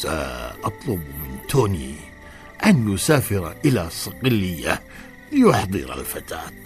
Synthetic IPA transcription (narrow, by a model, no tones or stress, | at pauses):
a̰ʔɑt̪ˤlʊbmɪnt̪oːni | ʔanːʊsaːfɪɾaʔɪlasˤɑqɪlːɪjːa | ljʊħd̪ˤɨ̰ɾa̰lfat̪a̰ːt̪